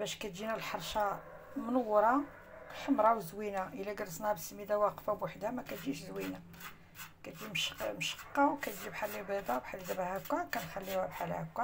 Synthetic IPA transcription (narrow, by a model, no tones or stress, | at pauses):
bæʃkæt̪ʒinælħɑɾˤʃɑ | mənəwːɾˤɑ | ħəmɾˤɑwzwinæʔəlæɡɑɾˤəsnhæbsəmid̪æwɑqfabwaħd̪hæmækæt̪d͡ʒiʃzwinæ | kæt̪d͡ʒimʃmʃə̥qːɑwkæt̪ʒibħalːibid̪ˤɑwbħalːid̪æbhækːækænxælːiwæbħalhækːæ